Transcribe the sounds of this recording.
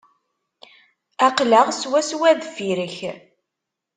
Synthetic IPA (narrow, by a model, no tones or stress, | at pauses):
æqləʁswæswæðfiɾəç